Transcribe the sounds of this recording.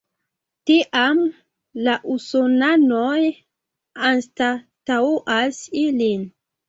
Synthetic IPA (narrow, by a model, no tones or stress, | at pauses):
tiʔam | laʔusonanoj | anstatauʔasilin